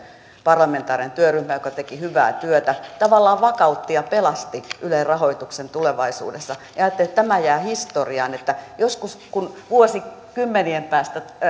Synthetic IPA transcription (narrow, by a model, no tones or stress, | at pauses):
pɑrlɑment̪ɑːrient̪yøryhmæjokɑt̪ekihyʋæ̰ːt̪yøt̪æt̪ɑʋɑlːɑːʋɑkɑut̪ːijɑpelɑst̪iʔylerrɑhoit̪uksent̪uleʋɑisṵːdesːɑjɑɑːt̪ːelet̪t̪æmæjæːhist̪oriɑːnet̪ːæjoskuskunʋuosikymːeniempæːst̪æ